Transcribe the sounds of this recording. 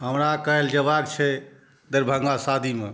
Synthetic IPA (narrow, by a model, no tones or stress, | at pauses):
ɦəmɾakəeld͡ʒəβaɡt͡ʃʰɛ | d̪əɾbʱə̃ŋɡasad̪ʱime